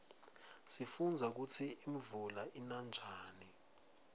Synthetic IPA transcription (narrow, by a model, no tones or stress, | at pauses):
sifund͡zʱak̬ut͡sʰiiɱvulaʔinand͡ʒʱaːni